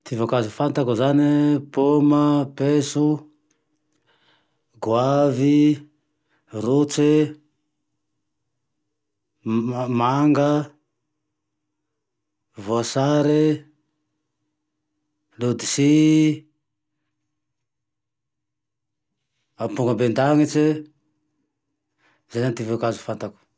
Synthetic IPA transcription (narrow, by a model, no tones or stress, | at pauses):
t̪ʰivakazifant̪akuzanipomapesu | ɡwavi | rut͡se | maŋɡə | voasaɾe | lud̪isi | apuŋɡəbend̪aŋit͡ʃi | zanant̪ivekazu̥fant̪aku̥